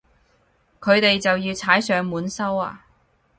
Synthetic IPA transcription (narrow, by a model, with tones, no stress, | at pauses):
kʰɵ˨˧ɥt̪e˨jt͡sɐ˨wjiː˧wt͡sʰaː˨˥jsœː˨˧ŋmuː˨˥nsɐ˥wa̰ː˧